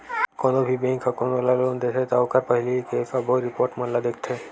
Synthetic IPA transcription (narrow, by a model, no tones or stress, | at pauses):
kɔnobʱibẽŋkʰɔkonɔlalond̪et̪ʰet̪aʊkaɾpəɦilikesabɔɾipoɾʈmɔnlːad̪ek̚ʰt̪ʰɛ